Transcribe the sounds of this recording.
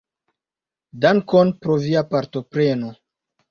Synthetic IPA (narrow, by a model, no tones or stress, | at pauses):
daŋkonpɾoviapaɾtopɾeno